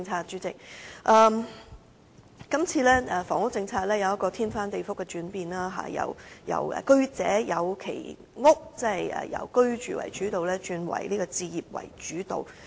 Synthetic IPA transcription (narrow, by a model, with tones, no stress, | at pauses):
ŋt͡sʰaː˧t̚t͡ʃyː˨˥t͡sɪ˨k̚ʔɐː˧m | kɐ˥mt͡sʰiː˧lɛː˥ɛ˨˧fɔː˨˩ŋʊ˥k̚t͡sɪ˧ŋt͡sʰaː˧k̚lɛː˥jɐ˨˧wjɐ˥kːɔː˧t̪ʰiː˥nfaː˥nt̪e˨jfʊ˥kːɛ˧t͡ʃyː˨˥npiː˨nlaː˥ɦa̰ː˨˩jɐ̰˨˩wjɐ̰˨˩wɛ̰ː˨˩kɵ˥ɥt͡sɛː˨˥jɐ˨˧wkʰe˨˩j | ŋʊ˥k̚t͡sɐ˥hɐ˨jɛ̰ː˨jɐ̰˨˧wkɵ˥ɥt͡ʃyː˨wɐ̰˨˩jt͡ʃyː˨˥t̪o˨wlɛː˥t͡ʃyː˨˧nwɐ̰˨˩jliː˥kɔ˧t͡siː˧jiː˨p̚wɐ̰˨˩jt͡ʃyː˨˥t̪o̰˨w